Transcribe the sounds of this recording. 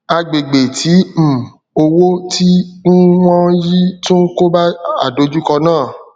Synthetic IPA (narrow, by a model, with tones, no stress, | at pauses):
a˧ɡ͡be˨ɡ͡be˨tʰi˨˦m̩˨ | o˧wo˦ti˦n̩˦w̃ɔ̃˦ji˦tũ˦n̩˦ko˦ba˦a̰˨do˨˦d͡ʒu˦kɔ˧nãː˦˨